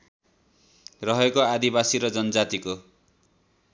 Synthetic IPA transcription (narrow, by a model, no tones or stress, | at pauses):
rʌɦʌkoad̪ibasiɾʌd͡zʌnʌd͡zat̪iko